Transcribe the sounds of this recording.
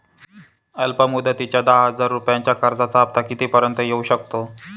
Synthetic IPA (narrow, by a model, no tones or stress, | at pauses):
əlpəmud̪ʱət̪it͡ɕjad̪aɦəd͡zaɾːupjãɲt͡ɕjakəɾd͡zat͡saːb̚t̪akit̪ipəɾənt̪əjeuɕək̚t̪o